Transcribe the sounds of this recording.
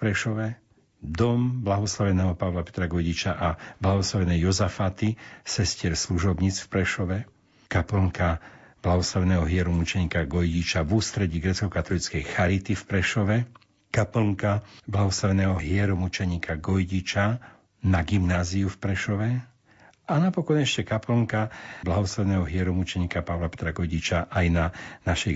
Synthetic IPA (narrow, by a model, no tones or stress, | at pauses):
pɾɛʃɔʋɛ | d̪ɔmblaɦɔslaʋɛnɛːɦɔpaʋlapɛ̥t̪ɾaɡɔjɟit͡ʃaʔablaɦɔslaʋɛnɛjɔzafat̪isɛscɪɛɾsluʒɔbɲiːt͡sfpɾɛʃɔʋɛ | kapl̩ŋkab̥laɦɔslaʋɛnɛːɦɔɦɪɛɾɔmut͡ʃɛɲiːkaɡɔjɟit͡ʃavuːst̪ɾɛɟiːɡɾɛːt͡skɔkat̪ɔlit͡skɛjxaɾit̪ifpɾɛʃɔʋɛ | kapl̩ŋkablaɦɔslaʋɛnɛːɦɔɦɪɛɾɔmut͡ʃɛɲiːkaɡɔjɟit͡ʃa | naɡimnaːziufpɾɛʃɔʋɛ | anapɔkɔɲɛʃcɛkapl̩ŋkablaɦɔslaʋɛnɛːɦɔɦɪɛɾɔmut͡ʃɛɲiːkapaʊlapɛ̥t̪ɾaɡɔjɟit͡ʃaʔajnanaʃɛj